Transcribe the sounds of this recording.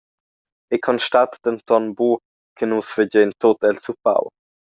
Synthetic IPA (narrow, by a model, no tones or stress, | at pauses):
ekʰɔnʃtat̪d̪̥ənt̪ɔnbu | kʰənusvəd͡ʑɛnt̪ot̪ɛlsupa̰w